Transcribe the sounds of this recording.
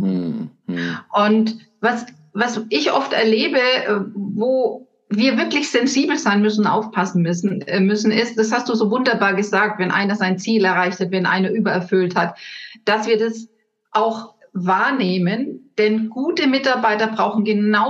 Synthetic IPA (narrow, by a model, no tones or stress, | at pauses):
ʔʊnt | vas | vasʔɪçʔɔftɛ̰ɐleːbəvoː | viːɐvɪɐklɪçz̥ɛnziːbl̩zaɪnmʏsn̩nʔa̰ʊfpʰasn̩msmʏsn̩ɪst̚d̥ashast̚d̥uːzoːvʊndɐbaːɐɡəzaːk̚tvɛnʔa̰ɪnɐzaɪnt͡siːlɛɐʁ̞aɪçthatvɛnʔa̰ɪnɐʔyːbɐɛɐfʏlthatd̥asv̥iːɐdas | ʔaʊx | vaːɐneːmənd̥ɛnɡ̥uːtəmɪtaɐbaɪtɐbʁaʊxn̩ɡənaʊ